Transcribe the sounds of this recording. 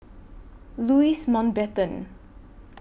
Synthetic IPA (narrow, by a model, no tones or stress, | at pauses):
luismɔ̃nbɛtə̃n